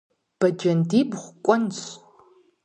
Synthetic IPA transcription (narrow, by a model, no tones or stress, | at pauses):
b̥ɐd͡ʒɐndiːbχʷkʷʼɔnt͡s